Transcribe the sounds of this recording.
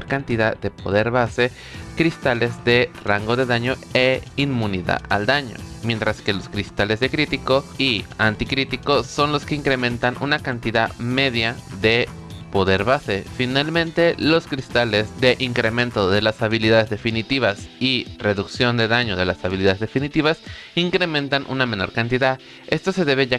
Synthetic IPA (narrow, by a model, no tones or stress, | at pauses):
oɾkant̪iðad̪e̞po̞ðe̞ɾβase̞ | kɾist̪ale̞zðe̞raŋɡo̞ðe̞ðaɲo̞eimmũniða̰ða̰ld̪aɲo̞̰mje̞nt̪ɾaske̞lo̞skɾist̪ale̞zðe̞kɾit̪ikoiant̪ikɾit̪iko̞so̞nlo̞skeiŋkɾemẽ̞nt̪anʔṵnakant̪iðame̞ðjaðe̞ | po̞ðe̞ɾβase̞finalmẽnt̪e̞lo̞skɾist̪ale̞zðe̞ʔiŋkɾe̞mẽ̞nt̪o̞ðe̞lasaβiliðaðezðe̞finit̪iβasire̞ðuksjo̞nd̪eðaɲo̞ðe̞lasaβiliðaðezðe̞finit̪iβasiŋkɾe̞mẽ̞nt̪anʔṵname̞no̞ɾkant̪iðað | e̞st̪o̞se̞ðe̞βeʝa